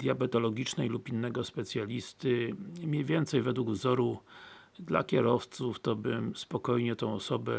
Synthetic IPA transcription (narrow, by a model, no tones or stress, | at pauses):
d̪̥ʲjabɛt̪ɔlɔɡʲit͡ʂnɛjlupinːɛɡɔspɛt̪sʲjalʲist̪ɘmʲjejvʲjɛnt̪sɛjvɛd̪wuɡvzɔɾu | d̪la̰kʲɛɾɔft̪suft̪ɔbɘmspɔkɔjɲɛt̪ɔ̃w̃ɔsɔbɛ̰